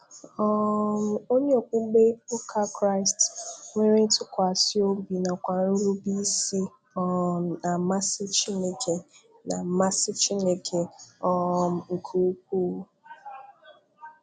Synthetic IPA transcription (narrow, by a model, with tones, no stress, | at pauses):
ɔ˦m˦o˦ɲe˦o˨k͡pu˦ɡ͡be˦o˦kʰa˦kɾa˦ɪ˨stŋʷe˦ɾe˦tʰʊ˦kʷa˨si˦o˦bi˨na˨kʷa˨n̩˦ɾu˦bi˦si˦ | ɔ˦˨a˨ma˦sɪ˦t͡ʃi˦ne˨kʰe˨ | na˨ma˦sɪ˦t͡ʃi˦ne˨kʰe˨ɔ˦˨m̩˨ŋ̩˨kʰu˦k͡p̚u˦